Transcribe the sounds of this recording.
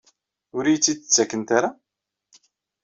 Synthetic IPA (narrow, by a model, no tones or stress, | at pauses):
ʊɾijt͡sːid̪t͡sːækːənt̪aɾa